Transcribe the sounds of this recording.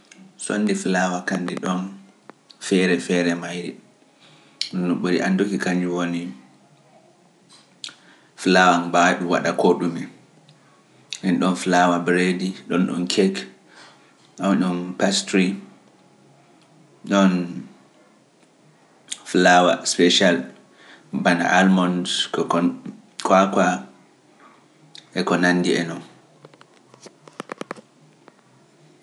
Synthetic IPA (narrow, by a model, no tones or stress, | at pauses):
so̰nːdiflawakandiɗɔn | fɛɾɛfɛɾɛmajɾi | ɗɔnːuɓuɾḭʔandokikaɲd͡ʒuwoni | flawanbaɗuwa̰ɗakoɗumɛ | ʔɛnɗɔnflawabɾediɗɔnɗɔ̰nkʰɛk | ɗawɗɔnpastɾi | ɗɔn | flawaspɛʃal | bana̰ʔalmɔndkɔ | kʰwakwa | ʔɛkɔnandiɛ̰nɔn